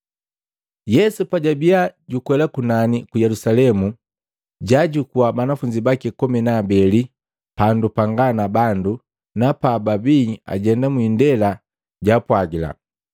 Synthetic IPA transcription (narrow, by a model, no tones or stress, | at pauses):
jɛsupaɟabiaɟukwɛlakunanikujɛlusalɛmu | ɟaɟukuwabanafuɲd͡ʒibakikɔmɛnaːbɛli | pandupaŋɡanabandu | napababia̰ɟɛndamwindɛla | ɟapwaɡila̰